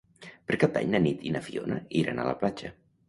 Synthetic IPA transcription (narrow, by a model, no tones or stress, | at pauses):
pəɾkap̪̚a̰ɲnənit̪inəfionə̰iɾana̰lə̰plat͡ʃə